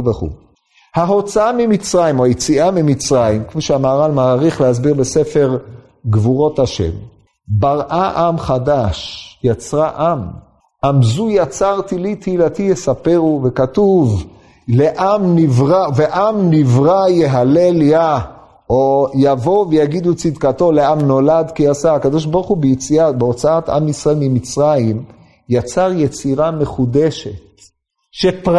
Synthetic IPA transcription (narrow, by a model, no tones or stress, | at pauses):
veχṵ | haɦo̞t͡saamimit͡sʁajimojet͡siʔamimit͡sʁajimkfiʃeamaːʁalmaʁiχlehazbiʁbesefe̞ʁ | ɡvuʁo̞thaʃe̞̰m | baʁʔaʔamχadaʃjat͡sʁaʔam | ʔamzujat͡saʁt̪ilit̪hilat̪ijesapeʁuvekatuv | leʔamnivʁaveʔamnivʁajeɦalelja | ojavo̞vejaɡid̪ut͡sid̪kat̪o̞leamno̞lad̪kiasaakad̪o̞ʃ̬baʁχubejet͡siabeo̞t͡saat̪a̰misʁaelmimit͡sʁaim | jat͡saʁjet͡siʁame̞χud̪eʃet̪ | ʃepʁ